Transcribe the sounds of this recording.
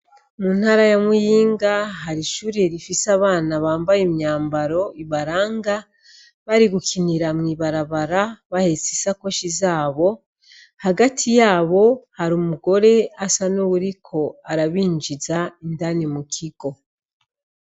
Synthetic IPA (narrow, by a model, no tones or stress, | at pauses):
mun̥haːɾajamujiːŋɡaɦaɾiʃuːɾeɾifisaβaːnaβaːmbajemɲaːmbaɾo̞iβaɾaːŋɡa | βaɾiɡukiniɾamŋiːβaɾaβaɾaβahe̞sisako̞ʃizaːβo̞ | haɡatʰijaːβo̞haɾumuɡo̞ɾe̞asanuβuɾikʰo̞aɾaβiːɲd͡ʒizaindanimukʰiɡ̥o̞